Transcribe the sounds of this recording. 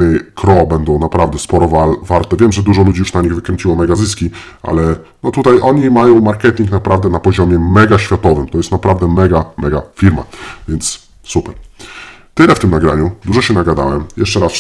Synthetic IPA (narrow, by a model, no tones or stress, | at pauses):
ɘkɾɔbɛnd̪ɔ̃w̃napɾavd̪ɛspɔɾɔvavaɾt̪ɛvʲjɛmʐɛd̪uʐɔlud͡ʑijuʂnaɲiɣvɘkɾɛɲt͡ɕiwɔmɛɡazɘskʲi | a̰lɛ | nɔt̪ut̪ajʔɔɲimajɔ̃w̃maɾkɛt̪ʲiŋknapɾavd̪ɛnapɔʑɔmʲjɛmɛɡaɕfʲjat̪ɔvɘmt̪ɔjɛst̪napɾavd̪ɛmɛɡamɛɡafʲiɾma̰vʲjɛnt̪s | supɛɾ | t̪ɘlɛft̪ɘmnaɡɾa̰ɲud̪uʐɔɕɛnaɡad̪a̰wɛmjɛʂt͡ʂɛɾas